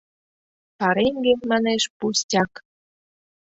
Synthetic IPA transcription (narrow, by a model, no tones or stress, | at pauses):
pɑɾeŋɡemɑneʃpustʲɑk